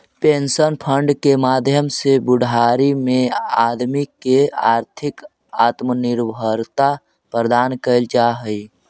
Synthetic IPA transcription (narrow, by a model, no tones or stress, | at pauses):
pensənpʰəɳɖkemaːd̪ʱjəmsebʊɖʱaːɾimẽaːd̪mikea̰ːɾt̪ʰɪk | aːt̪mənɪɾbʱəɾt̪a | pɾəd̪aːnkəld͡ʒaɦəi